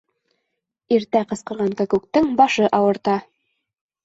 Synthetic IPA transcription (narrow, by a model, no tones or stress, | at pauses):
iɾt̪æqɤ̆sqɤ̆ʁɑŋkakʉk̚t̪ɘŋbɑʃɤʔɑwɤ̆ɾt̪ɑ